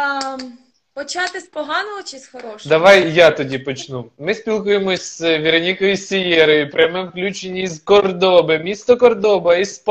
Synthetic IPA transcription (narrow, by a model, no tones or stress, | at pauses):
pɔt͡ʃɑt̪ɪspɔɦɑnɔɔt͡ʃɪsxɔɾɔʃd̪ɐʋɑjjat̪ɔdʲipɔt͡ʃnumɪsʲpʲilˠkujemɔsʲzʋʲiɾɐnʲikɔjisʲɪjɛɾɔjʊpɾʲjɐmɛwklʲut͡ʃenʲːiizkɔrd̪ɔbɪmʲist̪ɔkɔrd̪ɔbɐisp